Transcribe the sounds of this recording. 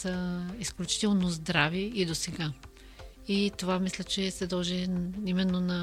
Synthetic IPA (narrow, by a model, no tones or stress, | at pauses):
səisklʲut͡ʃi̥t̪ɛlˠnozd̪ɾaviid̪osɛɡa | it̪ovamislʲət͡ʃɛsɛd̪ɔlˠʒɛimɛnːonɐ